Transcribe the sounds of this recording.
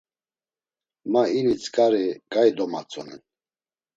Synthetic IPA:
mainit͡sʰkʼaɾiɡajd̪ɔmat͡sʼɔnɛ̰n

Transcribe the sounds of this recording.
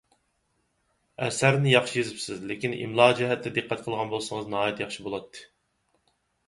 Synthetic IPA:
ɛsæɾnɪjɑχʃijezɪpsɪzlekʲinḭmlˠɑːd͡ʒɛɦɛt̪ʰːɛd̪ɨqːæt̪̚qʰəlˠʁɑnbolˠsəŋəznɑɦɑːjɛt̪jɑχʃibolˠɑt̪ʰːɨ̥

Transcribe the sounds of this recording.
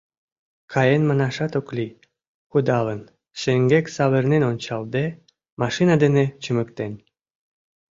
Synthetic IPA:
kʰɑjenmɑnɑʃɑt̪okli | kud̪ɑlən | ʃeŋɡeksɑβernenonʲt͡ɕɑld̪e | mɑʃinɑd̪enet͡ɕəməkt̪en

